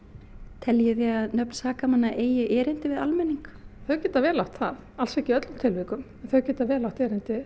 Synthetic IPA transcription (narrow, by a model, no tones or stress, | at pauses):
t̪ʰɛljɪθjɛɣaðnœpnsaːkamanːaʔeːjɪʔɛːɾɪnt̪ɪvɪða̰lmɛnːiŋkθœɥcɛːt̪avɛːɾlawht̪θaðalsɛcɪœt̪lʏmt̪ʰɪlvɪkʏmɛnθœɥcɛːt̪avɛːɾlawht̪ɛːɾɪnt̪ɪ